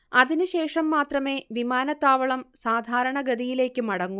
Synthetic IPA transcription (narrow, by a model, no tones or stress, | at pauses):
ɐðinɨɕe̞ːʂɐmːaːt̪rɐme̞ːʋimaːnɐt̪ːaːʋɐɭɐmsaːd̪ʱaːɾɐɳɐɡɐd̪ijile̞ːkʲːɨmɐɽɐŋːu